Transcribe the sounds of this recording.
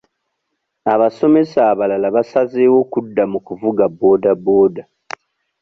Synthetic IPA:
aβaso̞me̞saːβalalaβasazeːwo̞kudːamukuvuɡabo̞ːdabo̞ːda

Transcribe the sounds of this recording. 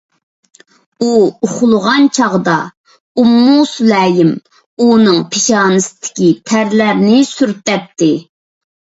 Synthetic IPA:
uʊχʊlˠʊʁɑnt͡ʃʰɑʁd̪ɑ | umːuslɛːjɪm | unɨŋpʰeʃɑːnɨsɪd̪ɪ̥kʲit̪ʰæɾlæɾnɪsyɾt̪̚ːɛp̚t̪ʰɪ

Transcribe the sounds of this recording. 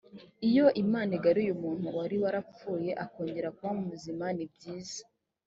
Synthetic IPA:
ijo̞ʔimaːniɡaɾujumuːn̥huwaɾiwaɾap͡fuːje̞ʔako̞ːɲɟe̞ɾakuβamumuzimanibɟiːzḁ

